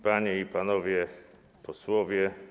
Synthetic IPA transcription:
paɲeipanɔvʲjɛ | pʰɔswɔvʲjɛ

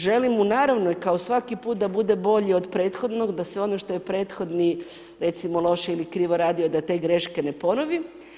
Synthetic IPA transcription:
ʒe̞limunaːɾaʋnoikaosʋakipuːt̪̚d̪abud̪ebo̞ʎiod̪pɾe̞ːt̪xo̞d̪no̞ɡd̪asʋeo̞noʃt̪o̞jepɾeːt̪xo̞d̪ni | ɾe̞t̪simolˠo̞ʃeilikɾiːʋo̞ɾaːd̪io̞d̪at̪e̞ɡɾe̞ʃkene̞po̞noʋi

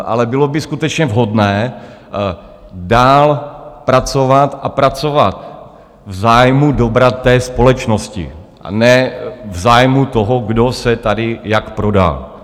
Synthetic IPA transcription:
ʔa̰lɛbɪlobɪskut̪ɛt͡ʃɲɛvɦo̞dnɛː | daːlpɾat͡sovat̪ʔapɾat͡sovat̪̚ | vzaːjmudobɾat̪ːɛːspo̞lɛt͡ʃnoscɪ̰ʔa̰nɛvzaːjmut̪oɦoɡdo̞sɛt̪adɪjakpɾoda̰l

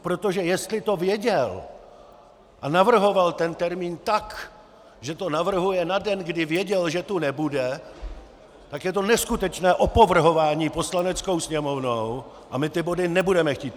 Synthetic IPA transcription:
pɾot̪o̞ʒɛjɛst̪lɪt̪o̞vjɛɟɛl | ʔanavr̩ɦo̞valt̪ɛnt̪ɛɾmiːnt̪ak | ʒɛt̪o̞navr̩ɦujɛnadɛnɡdɪvjɛɟɛlʒɛt̪unɛbudɛ | t̪akjɛt̪o̞nɛskut̪ɛt͡ʃnɛːʔo̞po̞vr̩ɦo̞vaːɲiːpo̞slanɛt͡sko̞wsɲɛmo̞vnow | ʔamɪt̪ɪbo̞dɪnɛbudɛmɛxciːt̪

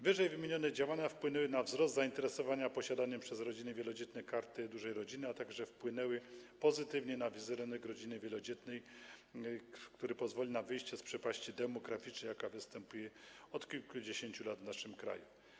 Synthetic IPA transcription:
vɘʐɛjvɘmʲjeɲɔnɛd͡ʑawaɲafpwɘnɛwɘnavzɾɔst̪zaint̪ɛɾɛsɔvaɲapɔɕad̪aɲɛmpʂɛzɾɔd͡ʑinɘvʲjɛlɔd͡ʑɛt̪nɛkaɾt̪ɘd̪uʐɛjɾɔd͡ʑinɘat̪aɡʐɛfpwɘnɛwɘpɔzɘt̪ɘvɲɛnavʲizɛɾɛnɛɡɾɔd͡ʑinɘvʲjɛlɔd͡ʑɛt̪nɛj | kt̪uɾɛpɔzvɔlʲinavɘjɕt͡ɕɛspʂɛpaɕt͡ɕid̪ɛmɔɡɾafʲit͡ʂnɛjakavɘst̪ɛmpujɛɔt̪kʲilkud͡ʑeɕeɲt͡ɕulat̪vnaʂɘmkɾa̰ju

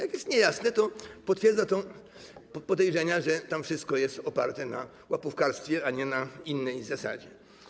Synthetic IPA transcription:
jakjɛst̪ɲɛjasnɛt̪ɔpɔt̪fʲjɛɾd̪zat̪ɔ | pɔd̪ɛjʐɛɲaʐɛt̪amfʂɘst̪̚kɔjɛst̪ɔpaɾt̪ɛna̰ | wapufkaɾst̪fʲjɛaɲɛnainːɛjzasa̰d͡ʑɛ

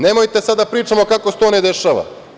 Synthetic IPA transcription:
nemo̞jt̪e̞sad̪d̪apɾiːt͡ʃamo̞kakose̥t̪oned̪e̞ʃaʋa̰

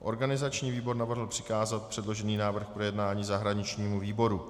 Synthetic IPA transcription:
ʔo̞̰ɾɡanɪzat͡ʃɲiːviːbo̞ɾnavr̩ɦl̩pr̥ɪ̥kaːzat̪̚pr̝̥ɛdlo̞ʒɛniːnaːvr̩xpɾojɛdnaːɲiːzaɦɾaɲɪt͡ʃɲiːmuviːbo̞ɾu

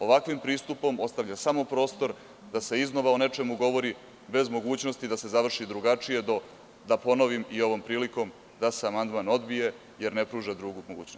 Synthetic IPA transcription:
o̞ʋakʋimpɾiːst̪upo̞mo̞st̪aʋʎʲasamo̞pɾo̞ːst̪o̞ɾ | d̪ase̞izno̞ʋaone̞t͡ʃe̞muɡo̞ʋo̞ɾi | be̞zmo̞ɡuːt͡ɕno̞st̪id̪ase̞zaʋr̩ʃid̪ɾuɡat͡ʂije̞d̪o | d̪apo̞no̞ʋimio̞ʋo̞mpɾiːliko̞m | d̪aseamand̪mano̞d̪bije̞ | je̞ɾnepɾuːʒad̪ɾuɡumoɡuːt͡ɕnos

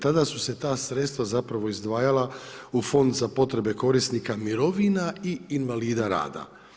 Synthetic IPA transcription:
t̪ad̪asuse̞t̪aːsɾet̪st̪ʋazapɾaʋo̞izd̪ʋaːjalaufo̞nd̪zapo̞t̪ɾe̞be̞ko̞ɾisnikamiɾo̞ʋinaiːnʋaliːd̪aɾa̰ːd̪a̰

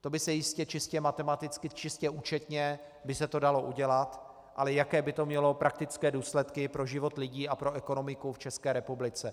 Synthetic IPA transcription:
t̪o̞bɪsɛjɪscɛt͡ʃɪscɛmat̪ɛmat̪ɪt͡skɪt͡ʃɪscɛuːt͡ʃɛt̪ɲɛ | bɪsɛt̪o̞daloʔuɟɛlat̪ | ʔa̰lɛjakɛːbɪt̪o̞mɲɛlo̞pɾʔak̚t̪ɪt͡skɛːduːslɛt̪kɪpɾo̞ʒɪvo̞t̪lɪɟiːapɾo̞ʔɛko̞no̞mɪkuft͡ʃɛskɛːɾɛpublɪt͡sɛ

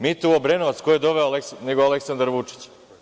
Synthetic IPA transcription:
mit̪uobɾenoʋat̪skojed̪o̞ʋeoalekneɡoale̞ksand̪aɾʋut͡ʂi̥t͡ɕ

